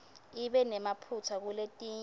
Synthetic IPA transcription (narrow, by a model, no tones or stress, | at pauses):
iɓɛnɛmapʰutʰak̬uletʼiːɲ